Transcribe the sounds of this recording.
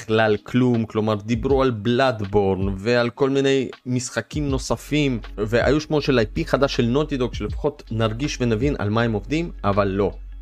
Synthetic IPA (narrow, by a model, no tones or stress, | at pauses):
χlalklumklo̞maʁd̪ibʁualblad̪bo̞ʁnvealko̞lmine̞jmisχakimno̞safimveʔa̰juʃmo̞ʃelajpiχad̪aʃe̞lno̞t̪id̪okʃele̞fḁχo̞t̪naʁɡiʃvenavinʔa̰lmaemo̞vd̪imavalːo̞